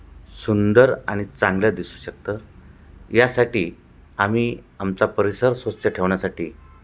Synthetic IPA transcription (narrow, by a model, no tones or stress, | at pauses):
sund̪əɾaɽ̃it͡saŋɡljad̪isuːɕək̚t̪əɾ | jasaʈiː | amiːamt͡sapəɾisəɾsʋət͡ɕəʈʰeʋɳjasaʈiː